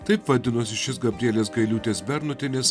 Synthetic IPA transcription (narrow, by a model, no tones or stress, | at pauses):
t̪ɐɪpʋɐd̪ʲɪnosʲɪʃʲɪsɡɐbʲɾʲiɛlʲeːs̬ɡɐɪlʲuːt̪ʲeːsbʲɛɾnʊt̪ʲɪnʲɪs